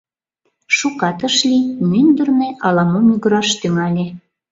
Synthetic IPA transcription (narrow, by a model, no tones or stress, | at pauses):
ʃukɑt̪əʃlʲimynd̪ə̆rneʔɑlɑmomyɡəɾɑʃt̪yŋɑlʲe